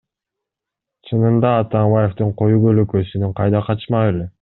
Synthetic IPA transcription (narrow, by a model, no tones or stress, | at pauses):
t͡ʃʰɯnɯnd̪ɑːt̪ɑmbaje̞ft̪uɴqʰo̞jubøløkøsynyɴqʰɑjd̪ɑqʰɑt͡ʃmɑele